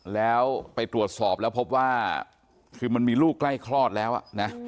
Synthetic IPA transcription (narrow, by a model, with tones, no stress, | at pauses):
lɛː˦˥wpa˧jt̪ɾu˨˩ət̪̚sɔː˨˩p̚lɛː˦˥wpʰo˦˥p̬̚waː˥˩ | kʰɯː˧ma˧nmiː˧luː˥˩kːla˥˩jkʰɾlɔː˥˩t̪̚lɛː˦˥wʔa̰˨˩na˦˥